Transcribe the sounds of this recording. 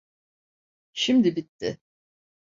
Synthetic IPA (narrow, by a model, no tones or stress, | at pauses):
ʃimd̪ibit̪ʰːɪ